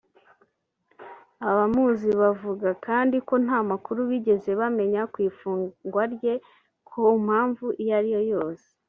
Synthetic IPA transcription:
aβamuːziβavuɡakaːndiko̞n̥haːmakuɾuβiɟe̞ze̞βame̞ɲakwiːfuːŋɡwaɾje̞ | kʰom̥haːɱvuʔijaɾijo̞jo̞ːse̥

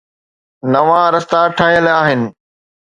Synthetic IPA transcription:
nɐʋãɾɐst̪aʈʰaːɦjəlaːɦɪnɪ̆

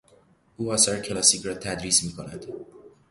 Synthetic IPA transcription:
ʔuːɒːsɒɾecʰelɒːsiːcɾɒːt̪ʰæd̪ɾiːsmiːkʰonæ̰d̪̥

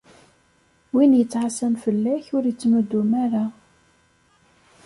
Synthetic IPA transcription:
winjət͡sːʕasæmfəlːæçʊɾjət͡sːməd̪ːumæɾa

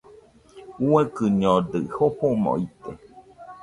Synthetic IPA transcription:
uekɨɲõd̪ɨhoɸomɔ̰̃it̪e

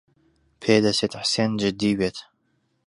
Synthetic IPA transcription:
pʰeːd̪ɐseːt̪ħseːnd͡ʒɨd̪iːweːt̪

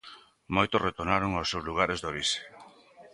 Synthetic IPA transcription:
mojt̪oret̪onaɾoŋosːewzluɣ̞aɾezðoβise̥

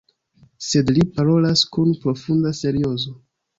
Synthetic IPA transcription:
se̞dlipaɾo̞laskunpɾo̞fundase̞ɾio̞zo

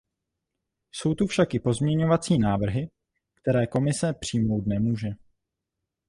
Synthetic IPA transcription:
so̞wt̪ufʃakɪpo̞zmɲɛɲo̞vat͡siːnaːvr̩ɦɪ | kt̪ɛɾɛːko̞mɪsɛpr̥iːmo̞wt̪nɛmuːʒɛ

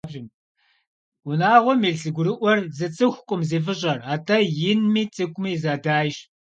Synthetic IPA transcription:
bʒɪm | wʊnaːʁʷɔmiːɮɬɨɡʷʊɾɨʔʷɔrzɨt͡sʼɨxʷkʷʼʊmzeːfɨɕʼɐraːtʰɐjɪnmiːt͡sʼɨkʷʼmiːzaːdaːjɕ

